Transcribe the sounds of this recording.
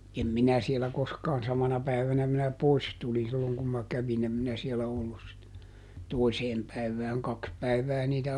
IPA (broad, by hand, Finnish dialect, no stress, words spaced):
em minæ sielæ koskɑːn sɑmɑnɑ pæiʋænæ minæ pois tulin silːoŋ kum mɑ kæʋin em minæ sielæ olːus sit toiseːm pæiʋˑæːŋ kɑks pæiʋˑæː niːtæ